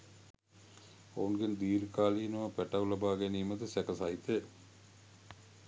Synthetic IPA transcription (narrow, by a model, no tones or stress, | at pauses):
o̰unɡend̪iːɾkaːliːnuʋɐpɛʈɐwlɐbaːɡeniːməd̪əsɛkəsajt̪e